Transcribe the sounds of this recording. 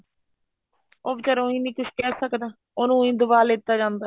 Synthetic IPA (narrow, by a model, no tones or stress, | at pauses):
oːbt͡ʃəɾõːɦĩːniːkʊʃʰkɛːsəkd̪aː | onũːĩːd̪ʊbaːlɪt̪ːaːd͡ʒãːnd̪aː